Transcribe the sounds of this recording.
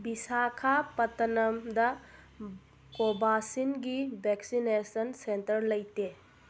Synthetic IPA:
bisakʰapɐt̪ɐnɐmd̪ɐ | kobasinɡibʱɛksinesənsentəɾlɐjte

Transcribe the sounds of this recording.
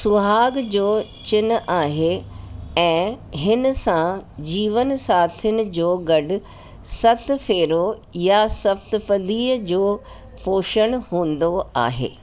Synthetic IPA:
sʊɦaːɡd͡ʑoːt͡ɕɪnaːɦe | ɛ̃ːɦɪn̆sãd͡ʑiːʋənsaːt̪ʰənɪ̆d͡ʑoːɡɐɖʊ̆ | sɐt̪feːɾo | jasɐbt̪pɐd̪iːəd͡ʑoː | fʰoːʃəɽ̃hũːn̆d̪oa̰ːɦḛː

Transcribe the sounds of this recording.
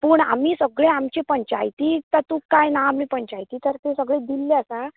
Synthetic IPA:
pəːɳa̰m̤iːsəɡɭeamt͡ɕepəɲt͡ɕa̰jt̪iːt̪at̪ukajnaamiːpəɲt͡ɕajt̪iːt̪əɾt̪esəɡɭẽd̪ilːeəsa

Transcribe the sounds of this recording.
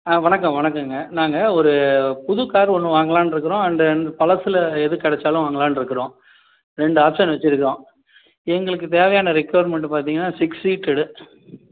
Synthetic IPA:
aːʋɐɳɐkːɐmʋɐɳɐkːɯŋɡɐnaːŋɡɐɔɾɯpʊðʊkːaːɾɔnːɯ̃ʋaːŋɡɐɭãːnɪɾɯkːɯɾõːɐndɐnpɐlɐsɯlɐɛðɯkɐɽɛt͡ʃːaːlʊ̃ʋaːŋɡɐɭaːnɪɾɯkːɯɾõː | ɾɛɳɖɯaːpsɐnʋɛt͡ʃːɪɾɯkːõː | ɛŋɡɐɭɯkːɯt̪eːʋɐjaːnɐɾɪkːɐʋɐɾmɛɳʈpaːɾt̪iːŋɡɐnːaːsɪksiːʈːɪɽɯ

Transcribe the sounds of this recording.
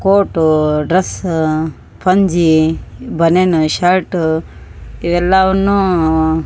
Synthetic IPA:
koːʈɖɾɐs | pɐnd͡ʒibɐnenuʃɐɾʈ | iʋɛlːaʋɐnːu

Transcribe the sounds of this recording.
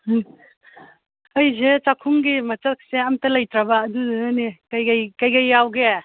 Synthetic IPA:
ɐjzet͡ʃakʰumɡimɐt͡ʃɐk̚ʰseamtɐlɐjt̪ɾɐbaːdudanikɐjkajkɐjkɐjːawɡe

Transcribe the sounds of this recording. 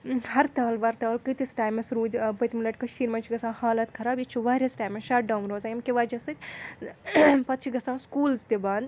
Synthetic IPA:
hɐɾt̪ɐːlʋɐɾt̪ɐːlkət̪isʈaːjmɐsɾuːd͡ʒbɐt̪milɐʈʲkɐʃiːɾmɐnt͡ʃʰiɡɐsãːhaːlɐt̪kʰɐɾaːbit͡ʃʰuʋaːɾʲɐsʈaːjmɐsʃaːʈ̚ɖɐwmɾoːzajɐmkeʋad͡ʒɐsɨk | pɐt̪t͡ʃʰiɡɐsãːskuːlzt̪ebaːnd̪

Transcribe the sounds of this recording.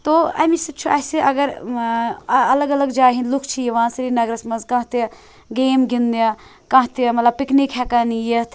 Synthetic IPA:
t̪oːɐ̰misɐt͡ʃʰuɐseʔɐɡɐɾ | ɐlɐɡɐlɐɡd͡ʒaːɦĩnlukʰt͡ʃʰijiʋãːsɐɾinɐɡɾɐsmɐnzkãːɦt̪e | ɡeːmɡind̪ɐ | kãːɦt̪emɐt̪lɐb̚piknikɦɛkanijet̪ʰ

